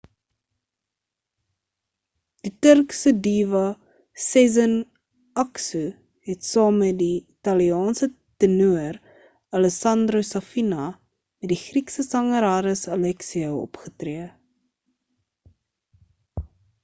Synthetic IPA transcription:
d̥itərksədiːvɐ | sɛzən | ɐksu | ɦɛtsɑːmːɛdiitɐliɑːnsə | tənuər | ɐləsɐndrosɐfinɐ | mɛt̚diχriksəsɐŋəɾaːɾəsəlɛksiəwɔ̰pχətriə

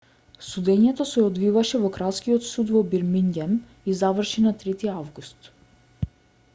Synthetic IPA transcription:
sud̪ɛɲɛt̪ɔsɛɔd̪vivaʃɛvɔkɾaskiɔt̪sud̪vɔbiɾmiŋɡʲɛm | izavrʃinat̪ɾɛt̪iavɡust̪

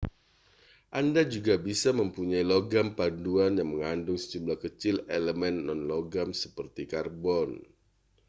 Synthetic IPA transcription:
ʔandad͡ʒuɡabisaməmpuɲailoɡampanduanjaŋməŋandʊŋsə̥d͡ʒumblahkət͡ʃɪleləmɛnːɔnlɔɡamsə̥pərt̪ikarbɔn

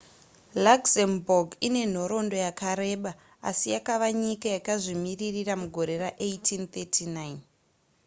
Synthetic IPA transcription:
laksemboɡine̞n̤o̞ɾo̞ndo̞jakaɾe̞ːɓa | a̰sijakaʋaɲikajakaʐimiririramuɡʱo̞ɾe̞raʔejtʰint̪etʰinajn

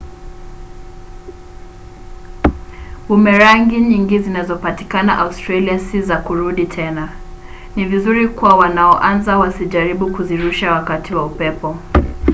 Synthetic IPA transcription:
umɛɾaŋɡiɲiŋɡizinazɔpati̥kanaʔaustɾaliasizakuɾuɗitʰɛna | nivizuɾikuwawanaɔʔanzawasiʄaɾiɓukuziɾuʃawakatiwaupɛpɔ

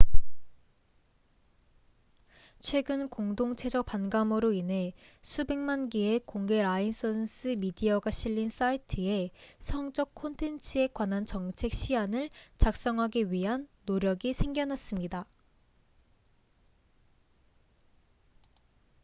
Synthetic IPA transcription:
t͡ɕʰwe̞ɡɯnkoŋdoŋt͡ɕʰe̞d͡ʑʌk̚panɡamɯɾoinɦe̞sʰube̞ŋmanɡie̞koŋɡe̞ɾains͈ʰʌns͈ʰɯmidiʌɡaɕʰiʎːins͈aitʰɯe̞sʰʌŋd͡ʑʌkkʰːontʰe̞nt͡ɕʰɯe̞kwanant͡ɕʌŋt͡ɕʰe̞k̚ɕ͈ʰianɯɭt͡ɕak̚s͈ʌŋɦaɡiɥiɦanːoɾjʌɡisʰe̞ŋɡjʌnɦas͈ɯmɲida

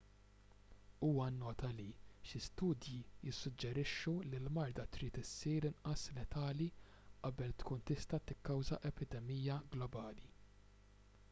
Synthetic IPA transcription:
uːwɐnːɔːt̪ɐliʃɪst̪uːd̪jijɪsːʊd͡ʒːɛɾɪʃːulilmɐɾd̪ɐt̪ɾiːt̪ɪsːiːɾɪnʔɐslɛt̪ɐːli | ʔɐbɛlt̪kuːnt̪ɪst̪ɐt̪ɪkːɐwzɐʔɛpɪd̪ɛmijːɐɡlɔbɐːli

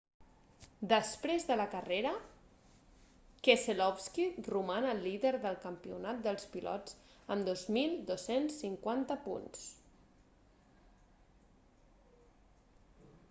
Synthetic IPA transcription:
d̪əspɾezðələkəreɾə | keselɔfskirumanəlːiðəɾðəlˠkəmpiṵnat̪̚d̪əlˠspilʔɔ̰t͡səmd̪ozmilˠd̪osensːiŋkwant̪əpṵns

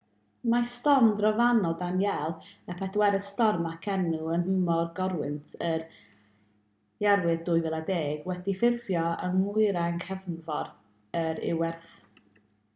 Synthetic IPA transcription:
mastɔmdrɔvanɔdamjɛlˠɛpʰɛdwɛɾəðstɔrmakʰɛnuənhəmɔrɡɔɾwɨntʰər | jɛrwɨðd̥ʊɨvɛlˠadeːɡ̥wɛdifɪrvjɔəŋmʊɨɾaənkʰɛvnvɔɾ | əɾɪ̰wɛrθ

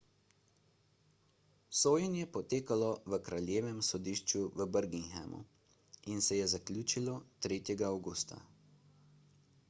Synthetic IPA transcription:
soːjənjɛpɔt̪eːkalɔʋəkɾalʲjeːʋɛmsɔd̪iːʃt͡ʃuʋəbəɾɡiŋxɛ̰mṵ | insɛjɛzaklʲuːt͡ʃilɔt̪ɾeːt̪jɛɡaawɡuːst̪a̰

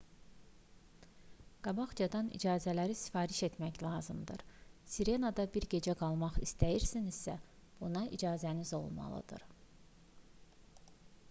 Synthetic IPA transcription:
ɡ̥ɑbɑχd͡ʒɑd̪ɑnḭd͡ʒɑːzælæɾisi̥fɑːɾiʃe̞t̪ʰmæçlˠɑːzɯmd̪ɯ̰ɾsiɾe̞nɑd̪ɑbiɾɟe̞d͡ʒæɡɑlˠmɑχist̪æjiɾsinizsæb̥unɑʔid͡ʒɑːzænizo̞̰lˠmɑ̰lˠɯ̰d̪ɯ̰ɾ

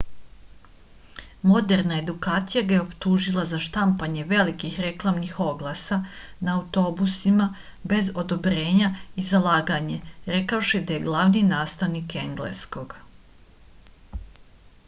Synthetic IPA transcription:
mo̞d̪e̞ɾnae̞d̪ukaːt̪sijaɡajeo̞pt̪uːʒilˠazaʃt̪ampaɲe̞ʋe̞likixɾe̞klˠamnixo̞ɡlˠasa | naːut̪o̞busima | be̞zo̞d̪o̞bɾe̞ːɲaizalˠaːɡaɲe̞ɾe̞kaoʃid̪aje̞ɡlˠaʋninaːst̪aʋnike̞ŋɡlḛsko̞ɡ̥

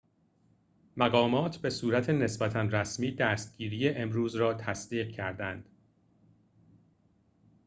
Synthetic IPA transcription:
mæɣɒːmɒːt̪ʰbe̞suːɾæt̪ʰe̞ne̞sbæt̪ʰænræsmiːd̪æːst̪̚ɟ̥iːɾiːje̞ʔemɾuːzɾɒːt̪ʰæsd̪iːɢ̚cʰæɾd̪ænd̪̥

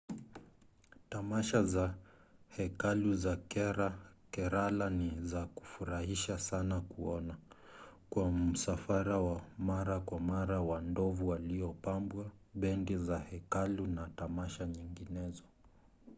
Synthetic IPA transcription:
tamaʃazahɛkaluzakɾakɛɾalanizaku̥fuɾahiʃasanakuɔna | kwam̩safaɾawamaɾakwamaɾawandɔvuwaliɔpambwaɓɛndizahɛkalunatamaʃaɲiŋɡinɛzɔ

